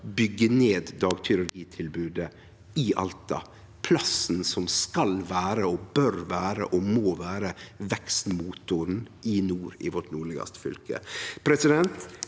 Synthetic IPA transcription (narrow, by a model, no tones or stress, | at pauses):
bʏɡːəneːd̪ːɑːɡt̪ʰʏɾʉɾɡiːt̪ʰɪlbʉːd̪ə | ɪʔɑ̰lt̪ɑ̰ | pʰlɑsn̩sɔmskɑlʋæːɾəobœɾʋæːɾə̰ʔomoːʋæːɾəʋɛkst̪muːt̪ʊɾənʔɪnuːɾɪ̰ʋɔʈnuːɭɪɡɑ̰st̪fʏ̰lkə̰pʰɾɛsɪd̪ɛnt̪